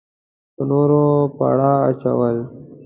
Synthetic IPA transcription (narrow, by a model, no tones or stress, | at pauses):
pənoɾopa̰ɽaːt͡ʃa̰wəl